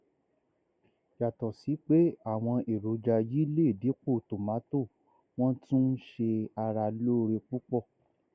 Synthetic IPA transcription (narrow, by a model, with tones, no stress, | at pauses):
ja˨tɔ˨si˨˦k͡pe˦a˦˨w̃ɔ̃˧ʔe˨ɾo˨˦d͡ʒa˧ji˦le˦˨di˨˦k͡po˦˨to˨ma˨˦to˦˨ | w̃ɔ̃˦tũ˦n̩˦ʃe˧a˧ɾa˧lo˦˧ɾe˧k͡pu˦k͡pɔ˦˨